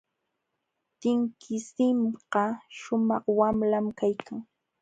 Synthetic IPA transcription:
t̪ɪŋkʰɪsɪmɢɑʃʊmɑχwamlamkajkʰaŋ

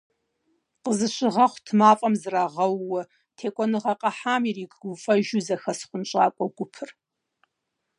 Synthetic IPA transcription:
qəzɨɕʷɪʁɐχʷtʰɨmaːfʼɐmzraːʁɐwːɐ | tʰeːkʷʼɔnɨʁɐqʼɐħaːmiriːkʰʼɡʷʊfʼɐʒuzɐxɐsχʷʊnt͡ʃʼaːkʷʼɔɡʷʊpʰɨr

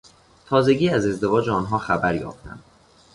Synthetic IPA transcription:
t̪ʰɒːze̞ɟiːæze̞zd̪e̞vɒːd͡ʒeɒːnɦɒːxæbæɾjɒ̰ːft̪ʰæ̰nd̪̥

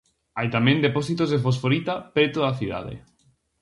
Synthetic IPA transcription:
ajt̪amẽnd̪eposit̪ozðefos̬foɾit̪apɾet̪oðaθiða̰ðḛ

